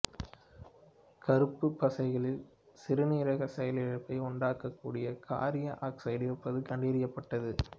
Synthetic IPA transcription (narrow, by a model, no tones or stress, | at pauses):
kɐɾɯpːɯpːɐsɐɪɣɐɭɪl | sɪɾɯniːɾɐɣɐsɛjɐlɪɻɐpːɐɪʊɳɖaːkːɐkːuːɽɪjɐkʰa̰ːɾɪjɐʔaːksɐɪɖɪɾɯpːɐðɯkɐɳɖɪːɾɪjɐpːɐʈːɐðɯ